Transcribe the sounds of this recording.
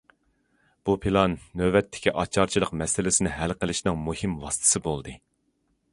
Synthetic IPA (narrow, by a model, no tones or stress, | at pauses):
b̥upʰilˠɑnːøbɛt̪ʰːɪ̥kʲʰiʔɑt͡ʃʰɑɾt͡ʃʰilˠəqmɛsɪlɪsɪnɪɦɛlqəlˠɪʃnɨŋmuhimwɑst̪ʰɨ̥sɨbolˠd̪ɨ